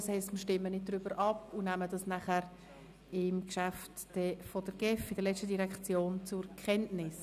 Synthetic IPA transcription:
shɛɪstməʃtɪmːənɪd̚dɾybəɾʔɑpʊnæmədɑsnæχæɾ | ɪmkʃæftd̥ɛfɔd̥əɾɡ̥ɛfid̥əɾlɛt͡sstədiɾɛkt͡sjoːnt͡sʊɾkʰχɛntnɪs

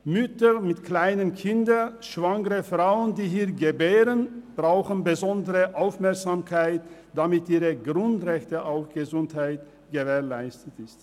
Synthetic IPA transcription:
mʏtəmɪtkl̥aɪnənkʰɪndəʃv̥aŋəʁəfʁ̥aʊəndiːɦiːɐɡəbeːʁənb̥ʁaʊxənbəzɔndəʁəʔaʊfmɛɐkz̥aːmkʰaɪt | d̥amɪtʔiːʁəɡʁʊntʁɛçtəʔaʊfɡ̥əzʊnthaɪt | ɡ̥əveːɐlaɪstətɪst

